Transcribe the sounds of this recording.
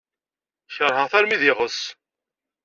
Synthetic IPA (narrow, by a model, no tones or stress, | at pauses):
çʁɦəʁθæɾmiðɪʁəs